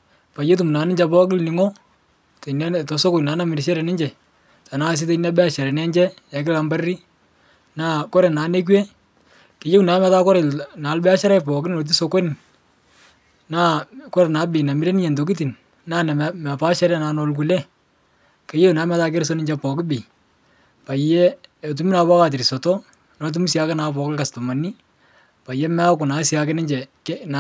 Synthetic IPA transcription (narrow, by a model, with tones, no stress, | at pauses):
pa˨je˦t̬u˨mna˨˦nɪ˦ɲd͡ʒɛ˨pɔ˦kɪ˦lni˨ŋɔ˦ | te˨n˦tɔ˨so˦kʊ˨naː˨˦na˦mi˨ɾʃ̬ɛ˦ɾɛ˨nɪ˦ɲd͡ʒɛ˨ | ta˨na˦s̬ɪ˦te˨na˦bɛ˦a˨ʃɛ˨ɾɛ˨nɛ˦ɲd͡ʒɛ˦ja˨kɪ˦la˨mba˦ɾi˦ | na˦kɔ˦ɾɛ˨naː˨˦ne˦k̬wɛ˦ | ke˨je˦wna˨˦mɛ˨˦ta˦kɔ˦ɾɛ˨lna˨˦lbɛ˦a˦ʃɛ˦ɾɛ˦pɔ˨kɪ˦n˨lo˨t̬i˦so˧ko˦ni˨n | na˦kɔ˦ɾɛ˨naː˨˦bɪ˨na˨mi˦ɾe˦nɪ˦ɲɛ˨ndo˨ki˦t̬i˨n | na˦n˨ma˨pa˦ʃɛ˦ɾa˦naː˨nɔ˨lku˨lɛ˦ | ke˨˦je˦una˨˦mɛ˨˦ta˦k̬e˦ɾs̬o˦nɪ˦d͡ʒɛ˨pɔ˨kɪ˦bɪ˨ | pa˨jɛ˦ɔ˨t̬u˨mi˦na˨pa˦ka˨t̬i˨ɾi˨sɔ˨tɔ˦ | nɔ˨t̬u˦mi˦sja˦kɛ˦na˨pɔ˨kɪ˦ka˨stɔ˨ma˨ni˦ | pa˨jɛ˦mɛ˦a˦kʊ˨na˨˦sja˨kɛ˦nɪ˦ɲd͡ʒɛ˨ke˦n˨